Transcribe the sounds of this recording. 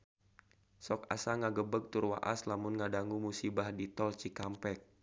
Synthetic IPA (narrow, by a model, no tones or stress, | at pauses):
sɔka̰saŋaɡəbəɡ̚t̪urwa̰ʔa̰slamʊnŋadaŋumusibahdit̪ɔlt͡ʃikampɛk̚